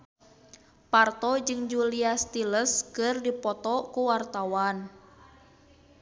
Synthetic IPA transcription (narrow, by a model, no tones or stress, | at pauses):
part̪ɔd͡ʒɨŋd͡ʒuliast̪iləskɨrdipɔt̪ɔkuwart̪awan